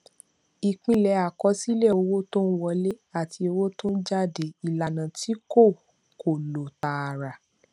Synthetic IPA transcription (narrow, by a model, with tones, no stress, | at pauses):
i˨k͡pĩ˨˧˨lɛ˨˧˦a˨kɔ˨˦si˦le˦˨o˧wo˦to˦n̩˦wɔ˧le˦a˦˨ti˧o˧wo˦tõ˦n̩˦d͡ʒa˦˨de˨i˨la˨nã˨ti˨˦ko˦˨ | ko˨lo˨ta˨ɾa˨